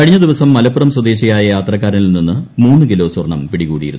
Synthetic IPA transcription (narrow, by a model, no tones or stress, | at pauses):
kɐɻiɲːɐd̪iʋɐsɐmːɐlɐpːuɾɐmswɐd̪e̞ːɕɐjaːjɐjaːt̪rɐk̬ːaːɾɐnilninːɨmuːnːɨkilo̞ːswɐrɳɐ̰mpiɽikṵːɽḭjiɾunː